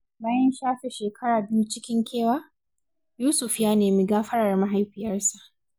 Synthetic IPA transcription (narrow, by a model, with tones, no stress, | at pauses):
baː˦jɛ˦nʃaː˦ɸe˨ʃeː˨kʰɐ˦ɽaː˨bɪ˦ju˦t͡ʃɪ˦kʲɪ˦ŋkʲeː˦˨waː˦ | juː˦sʊ˨ɸjaː˦neː˨mi˦ɡaː˦ɸɐ˦ɽɐ˨rma˦ɦa˦jɸɪ˨jɐ˦rsa˨ʔ